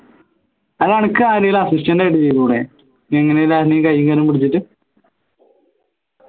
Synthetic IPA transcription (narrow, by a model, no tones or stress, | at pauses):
ɐðɐɳikːɨaːɾejilɐsistɐndɐeʈːɨt͡ɕejik̪ːuːɽe | eŋːɐnejilaːɾnikɐjːiŋkɐɾumpiɽit͡ɕːiʈːɨ